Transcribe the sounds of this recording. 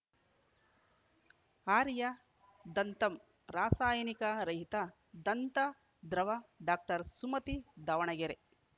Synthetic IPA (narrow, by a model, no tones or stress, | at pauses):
aːɾjɐ | d̪ɐnt̪ɐm | ɾaːsaːjɐnikɐɾɐɦit̪ɐ | d̪ɐnt̪ɐ | d̪ɾɐʋɐɖaːk̚ʈɐɾsumɐt̪id̪ɐʋɐɳɐɡeɾe